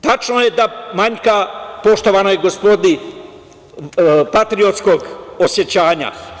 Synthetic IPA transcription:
t̪at͡ʃnoje̞d̪amaɲkapo̞ʃt̪o̞ʋanojeɡospo̞d̪ni | pat̪ɾio̞t̪sko̞ɡosje̞t͡ɕaːɲa̰

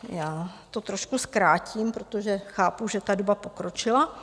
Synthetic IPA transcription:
jaːt̪o̞t̪ɾo̞ʃkuskɾaːcʰimpɾot̪oʒɛxaːpuʒɛt̪adobapo̞kɾo̞t͡ʃɪla

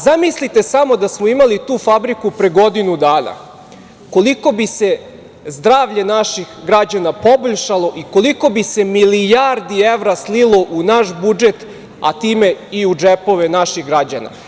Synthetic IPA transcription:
zamislit̪e̞samo̞d̪asmoimalit̪uːfabɾikupɾeɡo̞d̪inud̪aːna̰ | ko̞liko̞bise̞ | zd̪ɾaːʋʎe̞naʃixɡɾad͡ʑanapoboʎʃalˠo̞ʔiko̞liko̞bisemilijaɾd̪ieʋɾaslilˠo̞ʔunaʃbud͡ʒe̞t̪ | a̰t̪iːme̞iud͡ʒepo̞ʋe̞naʃiɣɡɾad͡ʑana̰

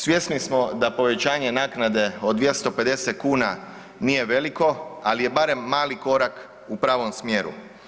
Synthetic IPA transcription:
sʋje̞snismo̞d̪apo̞ʋe̞t͡ɕaːɲe̞naːknad̪e̞o̞d̪ʋje̞st̪o̞pe̞d̪e̞set̪̚kuːna | nije̞ʋe̞liko̞alije̞baɾe̞mːaːliko̞ɾak | upɾaːʋo̞msmje̞ɾṵ

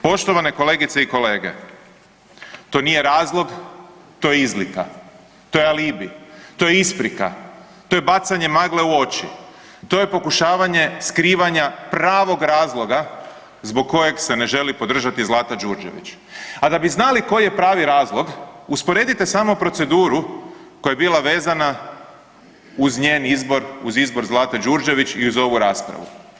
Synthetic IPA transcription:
po̞ʃt̪o̞ʋane̞ko̞le̞ːɡit̪seiko̞le̞ːɡe̞̰ | t̪o̞ːnije̞ɾaːzlˠo̞ɡt̪o̞jeizlika̰ | t̪o̞jealiːbḭt̪o̞jeispɾika̰ | t̪o̞jebat̪saɲe̞maɡle̞uo̞t͡ʃḭ | t̪o̞je̞po̞kuʃaːʋaɲe̞skɾiːʋaɲapɾaːʋo̞ɡɾaːzlˠo̞ɡa | zbo̞ɡ̚kːo̞je̞ɡse̞ne̞ʒe̞lipo̞d̪r̩ʒat̪izlˠaːt̪ad͡ʒuɾd͡ʒe̞̰ʋḭt͡ɕ | ad̪abiznaliko̞jje̞pɾaːʋiɾaːzlˠo̞ɡuspoɾed̪it̪e̞saːmopɾo̞t̪se̞d̪uːɾuko̞jajebilˠaʋe̞ːzana | uzɲeːnizbo̞ɾuzizbo̞ɾzlˠaːt̪ad͡ʒuɾd͡ʒe̞ʋit͡ʃiuzo̞ʋuɾaːspɾa̰ʋṵ

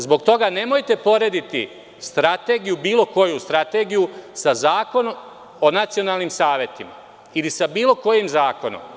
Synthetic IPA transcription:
zbo̞ɡt̪o̞ɡane̞mo̞jt̪e̞po̞ɾe̞d̪it̪i | st̪ɾat̪e̞ːɡijubiːlo̞ko̞just̪ɾat̪e̞ːɡijusazaːko̞nom | o̞nat̪sio̞naːlnimsaːʋje̞t̪ima̰ | ilisabiːlo̞ko̞jimzaːko̞no̰m

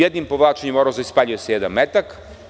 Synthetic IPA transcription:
jed̪nimpoʋlˠaːt͡ʃeɲemoɾozoispaːʎujesejed̪anmet̪ak

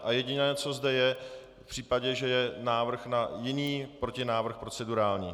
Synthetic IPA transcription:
ʔajɛɟɪnɛːt͡so̞zdɛjɛ | pr̥iːpaɟɛʒɛjɛnaːvr̩xnajɪniːpɾo̞cɪnaːvr̩xpɾot͡sɛduɾaːlɲiː

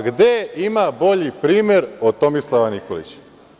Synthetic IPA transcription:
ɡd̪eimabo̞ʎipɾiːmjeɾod̪̚t̪o̞mislˠaʋanikolḭt͡ɕ

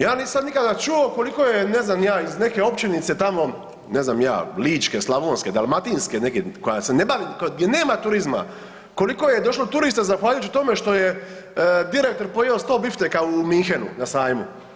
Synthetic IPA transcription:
jaːnissad̪nikad̪at͡ʃuoko̞liko̞jene̞znamjaːizne̞ke̞o̞pt͡ʃenit̪se̞t̪amo̞ | ne̞znamja̰ːliːt͡ʃkeslˠaʋoːnske̞d̪alˠmat̪inskenekekojasenebaʋiːmkoɡd̪ʲjene̞ːmat̪uɾizma̰ | ko̞likojed̪o̞ʃlot̪uɾist̪ezaxʋaʎaujuːt͡ʃit̪o̞meʃt̪o̞je | d̪iɾek̚t̪o̞ɾpojeost̪o̞ːbift̪ekaumiŋxenṵnasaːjmu

